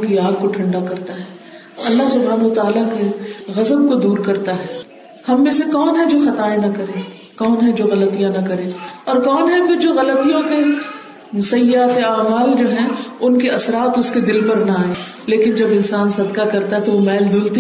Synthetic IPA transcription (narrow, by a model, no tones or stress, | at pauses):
kiaːɡ̚koʈʰɐ̃ɳɖakɐɾt̪aɦɛː | ɐlːaɦsʊbʱɦaːnɐt̪aːlakeɣɐzəb̚kod̪uːɾkɐɾt̪aɦɛː | hɐmːẽsekɔːnɦɛd͡ʒoːxɐt̪aːẽnɐkɐɾẽː | kɔːnɦɛd͡ʒoːɣɐlət̪ijãnɐkɐɾẽːɔːɾkɔːnɦɛfɪɾd͡ʒoːɣɐlət̪ijõke | mʊsɐjaːt̪eaːmaːld͡ʒoːɦɛ̃ʊnkeɐsɾaːt̪ʊsked̪ɪlpɐɾnaaːẽː | leːkɪnd͡ʒɐbɪ̃nsaːnsɐd̪kakɐɾt̪aɦɛt̪oʋomɛːld̪ʊlt̪i